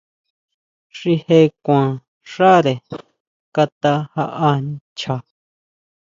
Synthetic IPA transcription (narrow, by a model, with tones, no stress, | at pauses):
ʂi˧he˦˧kʷã˨ | ʂa˦ɾe˨ | ka˧t̪a˧ha˧ʔa˧ | t͡ʃa˧